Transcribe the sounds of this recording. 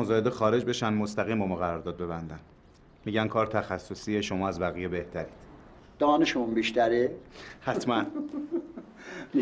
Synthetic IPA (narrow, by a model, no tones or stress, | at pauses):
ozɒːhed̪exɒːɾe̞d͡ʒbe̞ʃænmo̞st̪æɣiːmomɒːɣæɾɒːɾd̪ɒːd̪be̞bænd̪æn | miːɟænkʰɒːɾt̪ʰæxæsːosieʃo̞mɒːæzbæɣijebe̞ht̪ʰæɾiːd̪̥ | d̪̥ɒːneʃemumbiʃt̪æɾehæt̪ʰmæn